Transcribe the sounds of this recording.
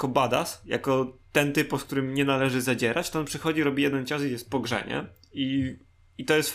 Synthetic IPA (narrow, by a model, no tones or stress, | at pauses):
kɔbad̪a̰sja̰kɔt̪ɛnt̪ɘpuskt̪uɾɘmɲɛnalɛʐɘzad͡ʑɛɾat͡ɕt̪ɔɔnpʂɘxɔd͡ʑiɾɔbʲijɛd̪ɛnt͡ɕɔskjɛst̪̚pɔɡʐɛ̰ɲɛ̰ | i | it̪ɔjɛst̪